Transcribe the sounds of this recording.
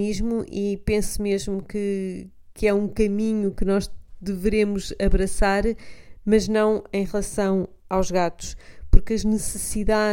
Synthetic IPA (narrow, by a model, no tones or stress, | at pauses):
iʒmuʔipẽsmeʒmukɨ | kɛũkɐmiɲukɨnɔʒd̪ɨvɨɾemuzɐβɾɐsaɾmɐʒnɐ̃w̃ẽj̃ʁlˠɐsɐ̃w̃ | awʒɣat̪u̥ʃpuɾkɐʒnɨsɨsiða